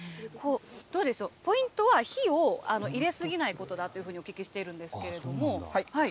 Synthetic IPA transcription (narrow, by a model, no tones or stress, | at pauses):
kʰo̞ːd̪̥o̞ːd̪e̞sɨopo̞ĩnt̪o̞βaçioano̞ʔiɾe̞sɨɡʲinaiko̞t̪o̞d̪at̪ːojiɯ̟ɸɯ̟ːɲio̞kʲikʲiɕi̥t̪e̞iɾɯ̟̃nd̪e̞sɨ̥ke̞ɾe̞d̪o̞mo̞hahai